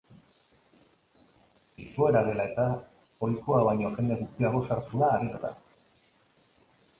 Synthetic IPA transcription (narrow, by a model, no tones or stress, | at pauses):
ḭsue̞ɾaðe̞lae̞t̪a | o̞jkoaβajɲo̞xe̞nd̪e̞ɣ̞ust̪iaɣ̞o̞saɾt͡s̪uðaːβitot̪a̰